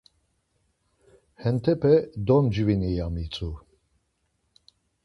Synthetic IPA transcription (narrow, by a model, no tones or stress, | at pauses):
hɛnt̪ʰɛpʰɛd̪ɔnd͡ʒvinijamit͡sʼu